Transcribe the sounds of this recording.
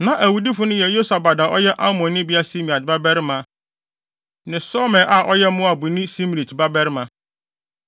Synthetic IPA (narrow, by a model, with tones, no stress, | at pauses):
nã˨ʔæ˨wu˨di˦fʊ˨˦nʊ̃˦jɛ˨jo˦sa˨ba˨da˨ʔɔ˦jɛ˦ʔa˦mɔ̃˨nː˦ɪ̃˦bi˦a˦si˦mĩ˨a˨tba˦bɛ˦ɾɪ˦mã˨ | nɪ̃˨sɔ˦mɛ̃˨ʔa˨ʔɔ˦jɛ˦mʊ̃˦a˨bu˨nĩ˦si˦m˨li˨tba˦bɛ˦ɾɪ˦mã˨